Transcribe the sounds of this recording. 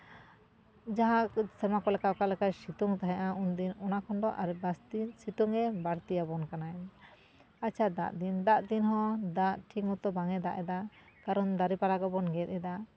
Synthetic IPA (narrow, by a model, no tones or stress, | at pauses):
d͡ʒaɦãsɛmakɔlɛkakalɛkasit̪uŋt̪aɦɛ̃ʔaʔund̪inɔnakʰɔnɖɔʔaɾbast̪isit̪uŋɛbaɾt̪ijabɔnkanaj | at͡ʃʰad̪a̰ʔd̪ind̪aʔd̪inɦɔ̃d̪aʔʈʰikmut̪ɔbaŋɛd̪aʔɛd̪a | kaɾɔnd̪aɾipaɾaɡɔbɔnɡɛt̪̚ɛd̪a